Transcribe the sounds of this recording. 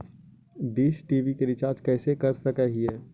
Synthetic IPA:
ɖiːsʈiːʋikeɾɪt͡ʃaːɾd͡ʒkɛːsekɐɾsɐkaɦiɛː

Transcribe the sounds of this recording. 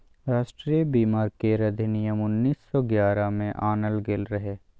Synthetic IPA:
ɾaːʃʈɾiːjəbiːmaːɾkeɾɐd̪ʱɪnɪjəmʊnːiːsːɔɡjaːɾamẽʔaːnəlɡelɾɦeː

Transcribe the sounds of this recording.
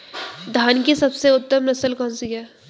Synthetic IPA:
d̪ʱaːnkisɐbseʊt̪ːəmnɐsəlkɔ̃ːnsiɦɛː

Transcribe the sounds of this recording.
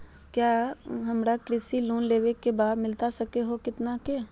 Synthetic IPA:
kjaːɦɐmɾakɾɪsiluːnleːʋekebaːd̪mɪlt̪asɐkeɦokɪt̪nakeː

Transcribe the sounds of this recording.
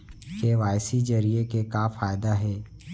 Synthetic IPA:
keʋaːjsid͡ʒɐɾiekekaːfaːjd̪aɦɛː

